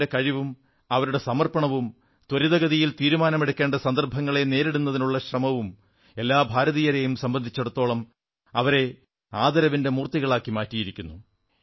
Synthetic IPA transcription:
ɽekɐɻiʋum | ɐʋɐɾuɽe̞sɐmɐrpɐɳɐʋum | t̪wɐɾiðɐɡɐðijilt̪iːɾumaːnɐme̞ɽukʲːe̞ːɳɖɐsɐnd̪ɐrbʱɐŋːɐɭe̞ne̞ːɾeɽunːɐðinuɭːɐɕrɐmɐʋum | e̞lːaːbʱaːɾɐðijɐɾejumsɐmbɐnd̪ʱit͡ɕːeɽut̪ːo̞ːɭɐm | ɐʋɐɾe̞ | aːd̪ɐɾɐʋinde̞muːrt̪ːiɣɐɭaːkːimaːtːijiɾikʲːunːu

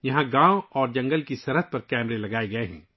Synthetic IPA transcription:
jɐɦãɡãːoɔːɾd͡ʒɐ̃ŋɡəlkisɐɾɦəd̪̚pɐɾkɛːmɾelɐɡaːeɡɐeɦɛ̰̃ː

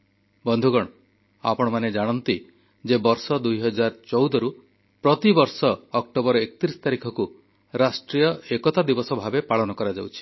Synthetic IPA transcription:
bɔnd̪ʱuɡɔɽ̃ɔ | a̰pɔɽ̃ɔmaned͡ʒaɽ̃ɔnt̪i | d͡ʒebɔɾsɔd̪ujɦɔd͡ʒaɾɔt͡ʃɔwd̪ɔɾu | pɾɔt̪ibɔɾsɔːk̚ʈobɔɾɔekɔt̪ɾisɔ̥t̪aɾikʰɔku | ɾasʈɾijɔekɔt̪ad̪ibɔsɔbʱabepaɭɔnɔkɔɾad͡ʒawt͡ʃʰi̥

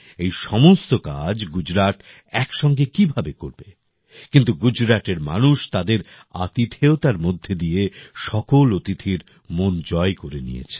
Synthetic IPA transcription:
ejʃɔmost̪okad͡ʑɡud͡ʑɾaʈ | ɛkʃɔŋɡekibʱabekoɾbe | kint̪uɡud͡ʑɾaʈeɾma̰nuʃt̪ad̪eɾ | a̰t̪it̪ʰeot̪aɾmod̪ʱːed̪ieʃɔkolot̪it̪ʰiɾ | mond͡ʑɔekoɾenḭjḛt͡ɕʰe̥

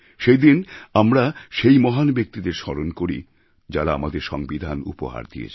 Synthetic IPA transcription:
ʃejd̪inamɾaʃejmɔɦanbek̚t̪id̪eɾʃɔɾonkoɾi | d͡ʑaɾaamad̪eɾʃɔŋbid̪ʱanṵpo̰ɦa̰ɾd̪ḭḛt͡ɕʰ

